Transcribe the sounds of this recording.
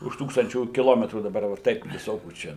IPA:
ʊʃ ˈtuːkstɐnʲt͡ʃʲuː kʲɪˈlˠoːmʲɛtruː dɐˈbɐr jɛʊ ˈtɐɪp ʋʲɪˈsoːkʲuː ˈt͡ʃʲɛ

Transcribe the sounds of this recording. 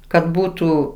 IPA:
kɐt ˈbuːtuː

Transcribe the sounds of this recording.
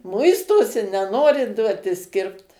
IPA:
ˈmʊɪstoːsʲɪ nʲɛˈnoːrʲɪ ˈduɔtʲɪs ˈkʲɪrpt

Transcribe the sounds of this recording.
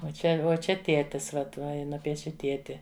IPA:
uɔ ˈt͡ʃʲɛ uɔ ˈt͡ʃʲɛ ˈtʲiɛtʲɪs ˈʋɐt ˈʋɐ ˈjɪ ˈnʊpʲiɛʃʲɪ ˈtʲiɛtʲɪ

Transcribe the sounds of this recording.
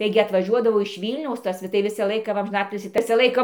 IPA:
ˈtɐɪɡʲɪ ɐtʋɐˈʒʲuɔdɐʋoː ɪʃ ˈʋʲiːlʲnʲɛʊs ˈtɐs tɐɪ ˈʋʲɪsɑː ˈlˠɐɪkɑː ˈʋɐ ɐmʲʒʲɪˈnɑːtʲɪlʲsʲiː ˈʋʲɪsɑː ˈlˠɐɪkɑː

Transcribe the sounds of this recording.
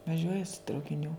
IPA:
ʋɐˈʒʲuɔjɛ sʊ trɐʊkʲɪˈnʲuː

